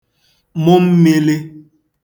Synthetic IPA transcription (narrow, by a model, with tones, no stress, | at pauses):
mo˦m̩˦me˦le˦